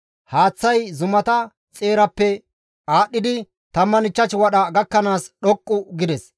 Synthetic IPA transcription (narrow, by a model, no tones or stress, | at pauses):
haːt͡sːɐjzʊmɐt̪ɐ | t͡sʼeːɾɐpːɛ | aːɗːɪd̪ɪ | t̪ɐmːɐnɪt͡ʃːɐt͡ʃɪwɐɗɐɡɐkːɐnaːsɗɔkʼːʊɡɪd̪ɛs